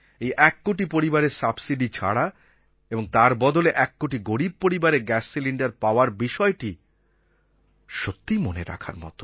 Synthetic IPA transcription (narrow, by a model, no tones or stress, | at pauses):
ejʔɛkːoʈipoɾibaɾeɾsabsiɖit͡ɕʰa̰ɽa | eboŋt̪aɾbɔd̪oleʔɛkːoʈiɡoɽib̚poɾibaɾeɡɛsːiliɳɖaɾpaoaɾbiʃɔeʈi | ʃot̪ːimoneɾa̰kʰa̰ɾmɔ̰t̪o